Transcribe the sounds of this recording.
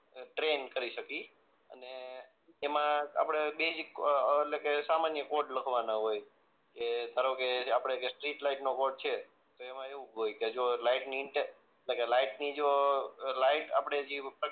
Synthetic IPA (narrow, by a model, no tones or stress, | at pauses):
ʈɾenkəɾiʃəki | ə̰neː | mãa̰pɽ̃ebesikelekesamanjəkoʈləkʰʋanaɦoj | ket̪əɾokeapɽ̃ekesʈɾiʈlaiʈnokoʈ̚t͡ʃʰe | t̪oemãeʋũɦojked͡ʒolaiʈniːɳʈe | eʈlekelaiʈnid͡ʒolaiʈa̰pɽ̃ed͡ʒipɾə